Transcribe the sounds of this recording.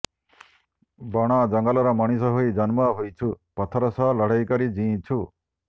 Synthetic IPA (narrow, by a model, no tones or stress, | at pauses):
bɔɽ̃ad͡ʒɔŋɡalɔɾɔmaɽ̃isɔɦojd͡ʒanmaɦojt͡ʃʰupɔt̪ʰɔɾɔsɔɦlɔɽ̤ajkɔɾid͡ʒĩt͡ʃʰu